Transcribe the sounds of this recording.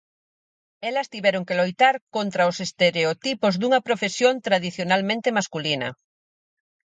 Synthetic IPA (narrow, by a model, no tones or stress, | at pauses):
ɛlɐst̪iβɛɾoŋkelojt̪aɾkont̪ɾɐʊsest̪eɾeot̪ipozd̪uŋɐpɾofesjont̪ɾaðiθjonalmẽnt̪emaskulinɐ̰